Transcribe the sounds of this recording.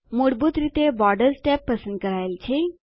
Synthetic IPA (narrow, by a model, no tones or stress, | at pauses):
moɽbuːt̪ɾit̪ebɔɾɖəɾsʈɛpːəsənd̪̚kəɾajlt͡ɕe